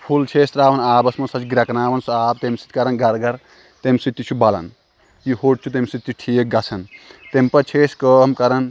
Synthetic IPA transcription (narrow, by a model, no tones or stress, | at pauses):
pʰult͡ʃʰesɾaːʋɐnaːbɐsmɐsɐt͡ʃɡɾɐkɐnaːʋɐnsuaːb̚t̪emsi̥t̪ʲkɐɾɐnɡɐɾɡɐɾ | t̪emsit̪ːit͡ʃʰubalɐ̰n | jihoʈ̚t͡ʃʰut̪emsit̪ːiʈʰijek̚ɡɐt͡sʰɐnt̪empɐt͡ʃʰeskəmkɐɾɐn